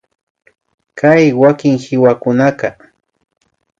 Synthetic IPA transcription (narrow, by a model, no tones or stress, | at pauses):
kʰajwakɪŋhɪwakʊnakɑ